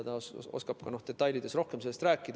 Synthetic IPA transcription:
t̪ɑo̰skɑb̥̚kɑno̞hd̪̥e̞t̪ːˑɑjlid̪̥e̞sro̞hke̞mse̞lːest̪ræːkːˑid̪̥

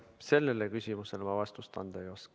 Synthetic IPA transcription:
se̞lːelekysʲimuse̞lmɑvɑst̪ust̪ɑ̰nd̪̥ɑjosk

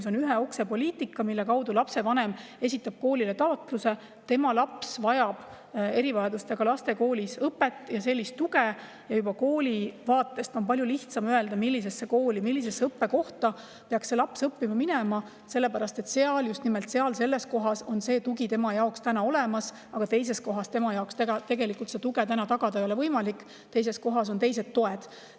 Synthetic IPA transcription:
so̞nyɦeo̞kse̞po̞lʲiːt̪ikːɑmilːekɑwd̪ulɑpse̞vɑne̞me̞sʲit̪ːˑɑb̥̚ko̞ːlʲilet̪ɑot̪ˑluse̞ | t̪e̞mɑlɑpsvɑjɑb̥ | e̞ɾivɑjɑd̪ust̪eɡ̥ɑlɑst̪e̞ko̞ːlisɤpːˑet̪ːˑjɑse̞lʲːist̪ːuɡe | jɑjub̥ɑko̞ːlʲivɑːt̪ːˑe̞st̪o̞npɑljuliht̪sɑmøe̞ld̪ɑmilʲːis̬e̞sːe̞koːlʲimilʲːisesːɤpːe̞ko̞ht̪ɑ | pe̞ɑksse̞lɑpsɤpːimɑminemɑ | se̞lːepæɾɑst̪e̞t̪ːseɑljust̪nimelt̪se̞ɑlse̞lːe̞sko̞ɦɑso̞nse̞ːt̪uɡit̪e̞mɑjɑokst̪ænɑo̞lemɑs | ɑɡ̥ɑt̪e̞js̬e̞sko̞ɦɑst̪e̞mɑjɑokst̪eɡɑt̪e̞ɡe̞likːˑult̪se̞t̪uɡet̪ænɑt̪ɑɡ̥ɑd̪ɑejolevɤjmɑlikːˑ | t̪e̞js̬e̞sko̞ɦɑs̬o̞nt̪e̞js̬e̞t̪ːo̞e̞d̪̥

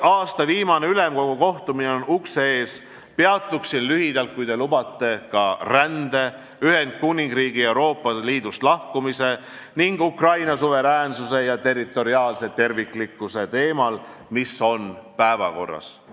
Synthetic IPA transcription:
ɑːst̪ɑviːmɑne̞yle̞mko̞ɡ̥uko̞ht̪umineonuksee̞ːs | peɑt̪ːˑuksinlyhid̪ɑlt̪̚kujd̪e̞lubɑt̪ːe̞kɑrænd̪e̞ | yɦe̞nd̪̥̚kunʲiŋɡriːɡ̥ie̞wɾo̞ːpːˑɑliːd̪̥ust̪lɑhkumise̞ | niŋɡ̥ukrɑjnɑsuve̞ɾæːnsuse̞jɑt̪e̞rit̪ːˑo̞ɾiɑːlse̞t̪e̞rvikˑlikːˑuse̞t̪e̞ːmɑlmiso̞npæevɑ̰ko̞̰rːɑ̰s

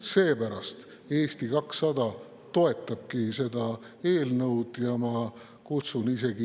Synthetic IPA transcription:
se̞ːpæɾɑst̪ | e̞ːst̪ikɑksːɑd̪ɑ | t̪o̞e̞t̪ːˑɑb̥̚kise̞d̪̥ɑ | e̞ːlnɤwd̪̥jɑmɑ | kut̪sunise̞ɡ̥i

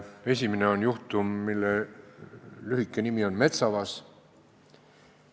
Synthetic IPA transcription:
e̞sʲimene̞o̞njuht̪umːilːe | lyɦikːˑe̞nimio̞nme̞t̪sɑvɑs

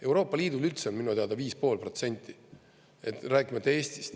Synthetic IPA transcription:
e̞wɾo̞ːpːˑɑlʲiːd̪ulylt̪seonminut̪eɑd̪ɑviːspo̞ːlpro̞t̪se̞nʲt̪ːˑi | et̪ɾæːkʲːˑimɑt̪ːeeːst̪i̥st̪

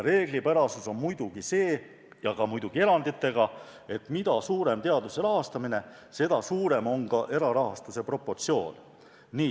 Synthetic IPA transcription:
ɾe̞ːɡ̥lipæɾɑsuso̞nmujd̪uɡ̥ise̞ː | jɑkɑmujd̪uɡ̥ie̞ɾɑnd̪it̪ˑːe̞ɡɑ | e̞t̪ˑmid̪̥ɑsuːɾe̞mt̪e̞ɑd̪use̞ɾɑɦɑst̪ɑmine̞ | se̞d̪̥ɑsuːɾe̞mo̞ŋɡɑʔe̞ɾɑɾɑɦɑst̪use̞pro̞pːo̞rt̪sio̞̰ːnː | iː

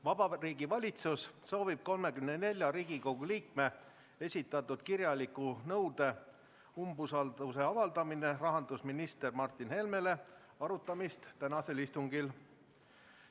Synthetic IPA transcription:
vɑb̥ɑriːɡivɑlʲit̪susso̞ːvib̥̚ko̞lme̞kymnene̞lʲjɑɾiːɡiko̞ɡ̥uliːk̚me̞ | e̞sʲit̪ːˑɑt̪ːˑud̪̥kirjɑlikːˑunɤwd̪̥e̞ | umbusɑld̪use̞ɑvɑld̪ɑmine̞rɑɦɑnd̪usminist̪e̞rmɑrt̪ːˑinhe̞lme̞le̞ | ɑɾut̪ːˑɑmist̪t̪ænɑse̞list̪uŋɡil

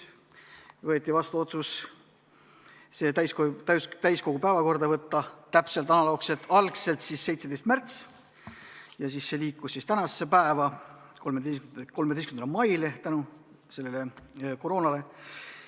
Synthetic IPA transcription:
vɤet̪ʲːˑivɑst̪uo̞t̪sus | se̞t̪æjskoæt̪æjsko̞ɡ̥upæevɑko̞rd̪ɑvɤt̪ːɑt̪æpse̞lt̪ˑɑnɑlo̞ːkse̞lt̪ːˑɑlkse̞lt̪sisse̞jt̪sed̪̥e̞jst̪̚mært̪s | jɑs̬isːe̞liːkːˑussist̪ænɑsːe̞pæevɑ | komed̪eko̞lme̥eskmnd̪lmɑjlet̪ænu | se̞lːeleko̞ɾo̞ːnɑle̞

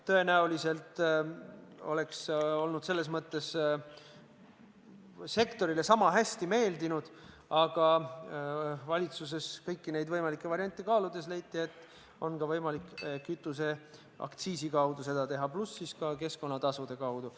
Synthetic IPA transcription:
t̪ɤe̞næulise̞lt̪ | o̞̰le̞kso̞lnud̪̥se̞lːe̞s̬mɤt̪ːe̞s | se̞kt̪o̞ɾile̞sɑmɑɦæsʲt̪ime̞ːld̪inud̪̥ | ɑɡ̥ɑ | vɑlʲit̪sus̬e̞skɤjkːine̞jd̪vɤjmɑlikːˑe̞vɑɾiɑnʲt̪ʲˑːikɑːlud̪̥e̞s̬le̞jt̪ːˑie̞t̪ːˑ | o̞nkɑvɤjmɑlikːˑkyt̪ːˑuse̞ | ɑ̰kt̪siːsikɑwd̪̥use̞d̪̥ɑt̪e̞ɦɑplusːiskɑke̞sko̞nːɑt̪ɑsud̪̥e̞kɑwd̪̥u

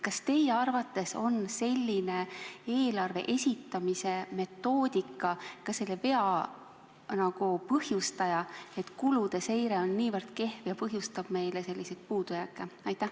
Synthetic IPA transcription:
kɑst̪e̞jeɑrvɑt̪ːˑe̞so̞nse̞lʲːine̞e̞ːlɑrve̞̰ʔe̞sʲit̪ːˑɑmise̞me̞t̪ːˑo̞ːd̪̥ʲikːˑɑkɑselːeve̞ɑ | nɑɡ̥upɤhjust̪ɑjɑe̞t̪kulud̪̥e̞se̞jɾe̞o̞nːiːvɤrd̪̥ke̞hvjɑpɤɦjust̪ɑb̥me̞jlese̞lːise̞t̪̚puːd̪̥ujɑkːˑeɑjt̪ːˑæh

